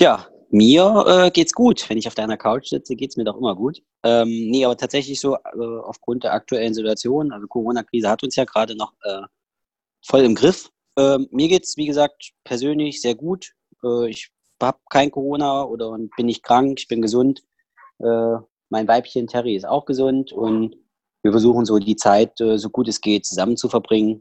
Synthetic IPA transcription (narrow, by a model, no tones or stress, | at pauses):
jaː | miːɐʔɛːɡeːtsɡ̥uːtv̥ɛnɪçaʊfd̥aɪnɐkʰaʊt͡ʃz̥ɪ̰t͡səɡeːtsmiːɐdɔχʔɪmɐɡuːt | ʔɛːmnəʔaːbɐtʰaːtz̥ɛçlɪçz̥oːʔɛːʔa̰ʊfɡ̥ʁʊnt̚d̥eːɐʔa̰k̚tʰuɛlənzɪtuat͡sjoːnənʔalzokʰoʁ̞oːnakʁ̥iːzəhatʊnsjaːɡəʁaːdənɔχʔɛː | fɔlɪmɡʁɪf | ʔɛːiːɐɡeːtsv̥iːɡəzaːk̚tpʰɛɐzøːnlɪçz̥eːɐɡuːt | ʔɛːɪç | haːb̚kʰaɪnkʰoʁ̞oːnaʔoːdɐʊnb̥ɪnːɪçt̚kʁ̥aŋkɪçb̥ɪnɡəzʊnt | ʔɛː | maɪnvaɪpçəntʰɛʁiɪsta̰ʊxɡ̥əzʊntʊnt | viːɐfɛɐzuːχn̩zoːdiːt͡saɪtʔɛːzoːɡuːtɛsɡ̥eːt̚t͡suzamənt͡sufɛɐbʁɪŋən